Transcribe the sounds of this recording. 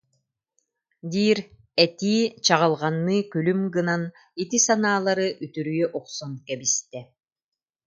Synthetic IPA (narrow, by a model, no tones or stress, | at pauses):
d̪iːɾ | ɛt̪iːt͡ɕaʁɯlˠʁɑnːɯːkylymɡɯnan | it̪isanaːlˠaɾɯʔyt̪yɾyjœʔɔqsɔnkɛbist̪ɛ